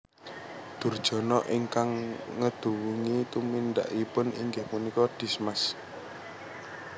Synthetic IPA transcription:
d̪̥ṳrd̥ʒ̥ɔ̤nɔʔiŋkaŋŋəd̪̥ṳwuŋit̪umind̪a̰ʔipʊnḭŋɡepunikɔd̪̥i̤smas

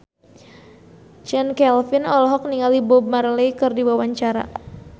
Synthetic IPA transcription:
t͡ʃɛnkɛlfinɔlɔɦɔk̚niŋalibɔb̚marlɛjkɨrdiwawaɲt͡ʃaɾa̰

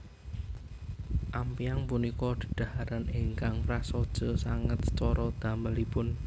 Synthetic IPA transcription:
ʔampiaŋpunikɔd̪̥ə̤ɖ̪̥a̤haɾaniŋkaŋpɾasɔd̥ʒ̥ɔ̤saŋət̪̚t͡ʃɔɾɔd̪̥ä̤məlipʊn

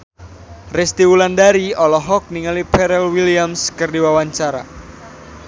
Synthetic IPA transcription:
rɛst̪iwulandaɾiɔlɔɦɔk̚niŋalipɛɾɛlwiliamskərdiwawaɲt͡ʃaɾa̰

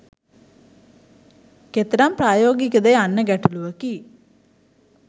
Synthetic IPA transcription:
ket̪ɾampɾaːjoːɡikəd̪ejanːəɡæʈuluʋəki

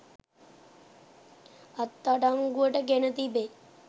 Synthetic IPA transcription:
ɐt̪ːaɖaŋɡuəʈəɡenət̪ibe

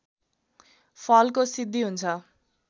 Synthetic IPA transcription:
pʰʌlkosid̪ʱːiɦunt͡sʰʌ

